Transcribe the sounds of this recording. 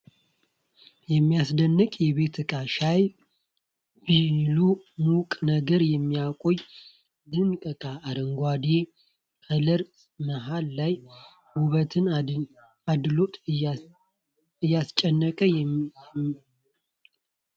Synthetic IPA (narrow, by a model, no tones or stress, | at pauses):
jɛmːijasd̪ənːɨkʼjɛβe̞t̪ʰɨkʼaʃaj | bilumukʼnəɡəɾjɛmːijakʼoj | d̪ɨŋkʼəkʼaːɾəŋɡʷad̪e | kələɾ | məɦalːaj | wuβət̪ʰɨn | ad̪lot̪ʼ | ɨjːast͡ʃʼɛnːəkʼəjɛ